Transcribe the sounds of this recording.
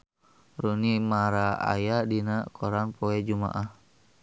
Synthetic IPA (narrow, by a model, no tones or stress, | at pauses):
runimaɾaa̰jadinakʰɔɾaŋpoɛd͡ʒuma̰ʔah